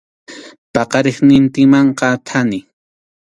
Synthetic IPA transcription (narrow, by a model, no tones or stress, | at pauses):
pɑqɑɾeχnɪnt̪ɪmɑɴqɑt̪ʰanɪ